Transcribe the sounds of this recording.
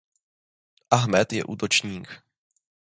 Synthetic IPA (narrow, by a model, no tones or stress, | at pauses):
ʔaɦmɛt̪jɛ̰ʔuːt̪o̞t͡ʃɲiːk